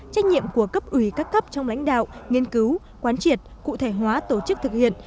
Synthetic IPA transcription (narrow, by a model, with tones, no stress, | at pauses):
t͡ɕa˦˥k̟̚ɲḭ˧˨əmku˧˩əkə˦˥p̚ʔwi˧˩kaː˦˥kːə˦˥p̚t͡ɕɔ˧wŋ͡mla̰˧˥jŋ̟ɗa̰ː˧˨wʔŋi˧ənkɨ˨˦w | kwaː˨˦nt͡ɕi˨˩ət̚kṵ˧˨t̪ʰe˧˩ɦwaː˨˦t̪o˧˩t͡ɕɨ˦˥k̚t̪ʰɨ˨˩k̚hḭ˧˨ən